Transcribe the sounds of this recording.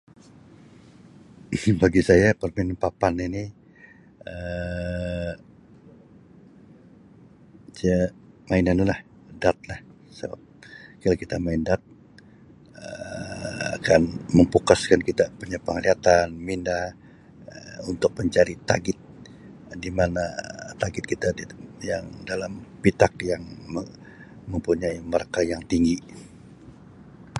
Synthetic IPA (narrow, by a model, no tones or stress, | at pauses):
ibaɡisajapərmɛnpapanini | ə | d͡ʒə | mainanulah | dat̪̚lah | sə̰ba̰p̚kalakit̪amaɪndat̪̚ | ə | a̰kanməmpukaskankit̪apuɲapəŋliat̪anminda | unt̪ʊk̚məɲt͡ʃaɾit̪a̰ɡɪt̪̚ | dimanat̪aɡɪt̪̚kit̪aijaŋdalampit̪akjaŋmə | məmpuɲaiməɾakajaŋt̪iŋɡi